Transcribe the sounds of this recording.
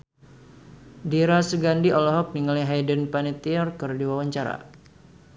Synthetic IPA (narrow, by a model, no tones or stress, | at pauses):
diɾasəɡandiʔɔlɔɦɔk̚niŋəliɦajdənpanit̪iɔrkərdiwawaɲt͡ʃaɾa̰